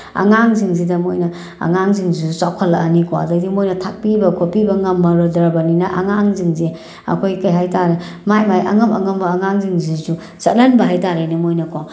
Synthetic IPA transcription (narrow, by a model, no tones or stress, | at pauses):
ɐ̰ŋaŋziŋzidɐmojnɐ | ɐ̰ŋaŋziŋzisut͡ʃawkʰalaːnikwa̰dɐdimojnɐtʰak̚pibɐkʰopibɐŋɐmːɐɾɔdɐɾabaninɐʔaŋaŋziŋze | ɐ̰kʰojkajɦajtaɾe | majmajɐ̰ŋɐmɐ̰ŋɐmbɐːŋaŋziŋzizu | t͡ʃɐt̚lɐnbɐɦajtaɾenɐmojnɐkʰo